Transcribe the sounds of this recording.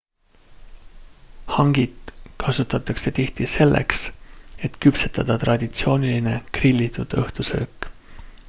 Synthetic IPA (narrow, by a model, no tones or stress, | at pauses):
hɑŋɡ̥id̪̥kʰɑsut̪ːˑɑt̪ːˑɑkse̞t̪iht̪ise̞lːḛkse̞t̪kypset̪ɑd̪̥ɑt̪rɑd̪̥ʲit̪sio̞ːnʲiline̞krilʲːit̪ud̪̥ɤht̪usø̰ːkːˑ